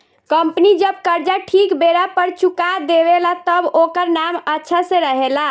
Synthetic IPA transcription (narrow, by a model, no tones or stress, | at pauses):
kəmpnid͡ʒəb̚kəɾd͡ʒaʈʰikbeɾapəɾt͡ʃukad̪eβelat̪əbokəɾnamətːʃʰasẽɾəɦela